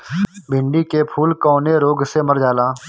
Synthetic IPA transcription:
bʱɪ̃ɳɖikepʰuːlkɔːneɾoːɡseməɾd͡ʒaːlaː

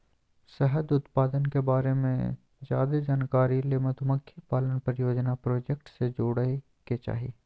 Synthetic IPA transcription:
sɛɦəd̪ʊt̪paːd̪ənkebaːɾemḛ̃ | d͡ʒa̰ːd̪ed͡ʒaːnkaːɾilemɐt̪ʊməkʰːjipaːlənpəɾjoːd͡ʒnapɾoːd͡ʒek̚ʈsed͡ʒoːɽe | ket͡ʃa̰ːɦḭː

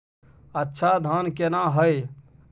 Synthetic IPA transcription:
ətːʃʰad̪ʱaːnkenãɦəj

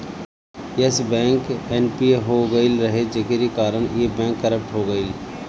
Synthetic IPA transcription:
jesbɛ̃ːŋkenpieɦoɡəilɾɐɦed͡ʒekeɾikaːɾəɳ̃jebɛ̃ːŋkːɐɾəp̚ʈɦoɡəil

